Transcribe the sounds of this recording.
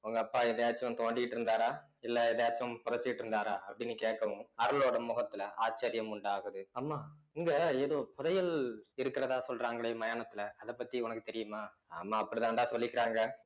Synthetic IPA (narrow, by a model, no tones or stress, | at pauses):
ʊŋɡɐɐpːaːɛðɐjaːt͡ʃːɐɐ̃mt̪oːɳɖɪkɪʈːɪɾɯnd̪aːɾaː | ɪlːɐɛðɐjaːt͡ʃːɐ̃mpɔðɐt͡ʃːɪkɪʈːɪɾɯnd̪aːɾaːʔɐpːɐɽɪnːɯkeːʈkːɐʋɯmɐɾɯloːɽɐmʊɣɐt̪ːɪlɐʔaːt͡ʃːeːɾɪjɐmʊɳɖaːɣɐðɯaːmaː | ɪŋɡɐeːðoːpʊðɐjɐlɪɾɯkːɪɾɐðaːsɔlɾaːŋɡɐɭeːmɐjaːnɐt̪ːɪlɐɐðɐpːɐt̪ːiʊnɐkːɯt̪ɛɾɪjɯmaː | a̰ːmːaːɐpːɐɽt̪ãːnd̪aːsɔlːɪkːɪɾaːŋɡɐ